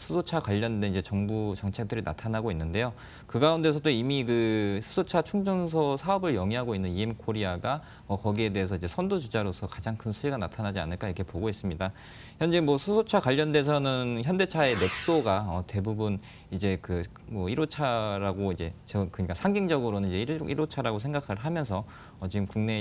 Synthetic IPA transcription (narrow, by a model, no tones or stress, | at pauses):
sʰusʰot͡ɕʰakwaʎːʌnde̞nid͡ʑe̞t͡ɕʌŋbut͡ɕʌŋt͡ɕʰek̚d͈ɯɾina̰tʰanaɡoinːɯnde̞jo | kɯɡaunde̞s̬ʰʌdoimikɯsʰu̥sʰot͡ɕʰat͡ɕʰuŋd͡ʑʌns̬ʰʌsʰaʌbɯɭjʌŋiɦaɡoinːɯniemkʰoɾiaɡa | ʌkʌɡie̞de̞ɦesʰʌid͡ʑe̞sʰʌndod͡ʑud͡ʑaɾosʰʌkad͡ʑaŋkʰɯnsʰuiɡanatʰanad͡ʑia̰nɯɭk͈aiɾkʰe̞poɡois͈ɯmɲida | çjʌnd͡ʑemwʌsʰusʰot͡ɕʰakwaʎːʌnde̞sʰʌnɯnçjʌnde̞t͡ɕʰae̞ne̞k̚s͈oɡaʌte̞bubun | id͡ʑe̞kɯ | mʌiɾot͡ɕʰaɾaɡoid͡ʑe̞t͡ɕʌkɯɲik͈asʰaŋɡiŋd͡ʑʌɡɯɾonɯnid͡ʑe̞iḭɾot͡ɕʰaɾaɡos̬ʰe̞ŋɡakʰaɭɦamjʌnsʰʌ | ʌt͡ɕiɡɯmkuŋne̞